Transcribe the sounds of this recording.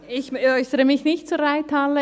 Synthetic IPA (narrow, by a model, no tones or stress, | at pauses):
ɪçœʏsəɾəmɪçnɪçtt͡suɾaɪt̪halə